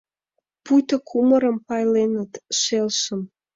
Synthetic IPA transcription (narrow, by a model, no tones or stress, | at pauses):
pujt̪ə̆kʰuməɾə̆mpɑjlenət̪ʃelʃə̆m